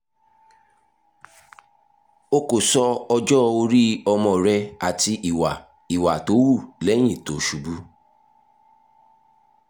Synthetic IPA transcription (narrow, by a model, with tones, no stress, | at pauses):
o˦ko˨sɔ˧ɔ˧d͡ʒɔ˦˧o˧ɾi˦ɔ˧mɔ̃˧˨ɾɛ˧a˨ti˧ʔi˨wa˨ | i˨wa˨to˨˦wu˦˨lɛ˨˦j̃ĩ˦˨to˨˦ʃu˨bu˦